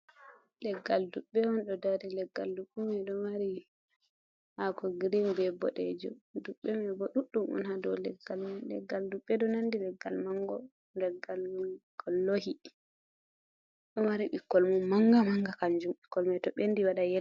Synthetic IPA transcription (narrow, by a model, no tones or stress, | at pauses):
lɛɡːalduɓːɛwɔnɗɔdadilɛɡːaldukːumɛɗɔmaɾi | hakɔɡɾimbɛbɔ̰ɗɛ̰d͡ʒɔduɓːɛmɛbɔɗuɗːumʔṵnhadɔ̰lɛɡːalmnlɛ̰ɡːalduɓːɛdɔnandilɛɡːalmaŋɡɔ | ndɛɡːalwukʰɔlːohi | ɗɔmaɾiɓikːɔlmɔnmaŋɡamaŋɡakand͡ʒumɓikːɔlmajtɔɓenːdiwaɗajɛ